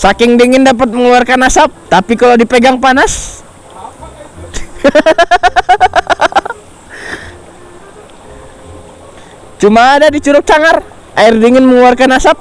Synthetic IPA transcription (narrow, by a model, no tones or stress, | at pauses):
sakɪŋdiŋɪndap̬at̪̚məŋuarkanasap̚t̪apikalodipeɡaŋpanas | t͡ʃumaːdadit͡ʃuɾʊk̚t͡ʃaŋar | ʔairdiŋɪnməŋuarkanasap̚